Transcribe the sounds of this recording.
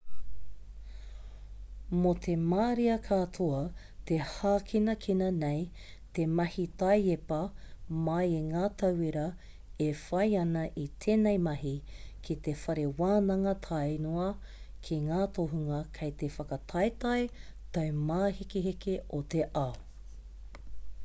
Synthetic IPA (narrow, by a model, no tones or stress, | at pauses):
mot̪ʰemaːɾiɐkʰatʰoɐ | t̪ehaːkʰinɐkʰinɐnej | temɐhitɐjepɐmɐjeŋaːt̪ʰɐwiɾɐ | efɐjɐnɐʔit̪ʰeːnejmɐɦi | kʰit̪efɐɾewaːnɐŋɐtʰɐjnoɐ | kʰiŋaːtʰoɦuŋɐkʰejtefɐkɐtʰɐjtɐj | tɐwmaːhikeɦekeot̪eʔa